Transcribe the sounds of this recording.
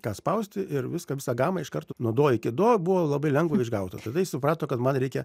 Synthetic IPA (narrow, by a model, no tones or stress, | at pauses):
kɑːspɐʊsʲt̪ʲɪʔɪrʋʲɪskɐʋʲɪsɑɡɑːmɑɪʃkɐrt̪onuɔd̪oːɪkʲɪd̪oːbʊʋoːlˠɐbɐɪlʲɛŋɡʋʊɪʒɡɐʊt̪ɐ̰t̪ɐɪd̪ɐɪsʊpɾɑːt̪oːkɐt̪mɐnɾʲɛɪkʲɛ